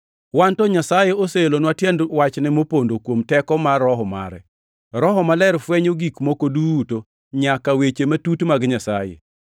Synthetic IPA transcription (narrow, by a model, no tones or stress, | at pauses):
wantɔɲasajeoselonwatjɛndwat͡ʃnɪmopondokwomtɛkɔmarɔɦɔma̰ɾɛ̰ | ɾɔɦɔmalɛɾfwɛɲoɡikmokoduwuto | ɲakawet͡ʃematutmaɡɲasajḛ